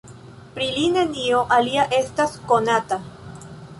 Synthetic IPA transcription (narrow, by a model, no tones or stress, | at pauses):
pɾilinenioʔaliaʔe̞staskonata